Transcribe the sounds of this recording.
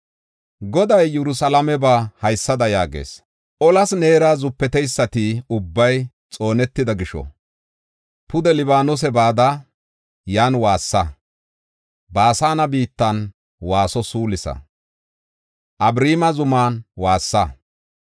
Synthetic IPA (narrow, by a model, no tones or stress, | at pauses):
ɡɔd̪ɐjːɛɾʊsɐlɐmɛbaːhɐjsːɐd̪ɐjaːɡḛːs | ʔɔlɐsne̞ːɾaːzʊpːɛt̪ɛjsːɐt̪ɪʊbːɐj | t͡sʼo̞ːnɛt̪ːɪd̪ɐɡɪʃɔ̰ | pʊd̪ɛlɪbaːnɔs̬ɛbaːd̪ɐ | jaːnwaːsːɐ | baːsaːnɐbiːt̪ːɐn | waːsɔsuːlɪsɐ̰ | ʔɐbɾiːmɐzʊmaːnwaːsːɐ